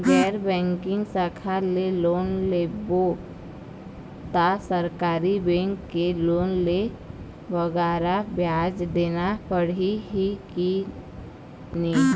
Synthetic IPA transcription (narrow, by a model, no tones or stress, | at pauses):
ɡɛːɾbɛ̃ːŋkɪ̃ŋɡsaːkʰaleloːnleːbo | t̪asəɾkaːɾibɛ̃ːŋkːeloːnle | ʋəɡɛːɾabjaːd͡ʒd̪eːnapəɽ̤iɦiki | ni